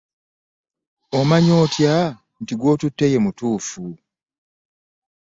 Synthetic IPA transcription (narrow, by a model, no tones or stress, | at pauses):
omaɲo̞ːtja | ntiɡwo̞ːtutːeje̞mutuːfu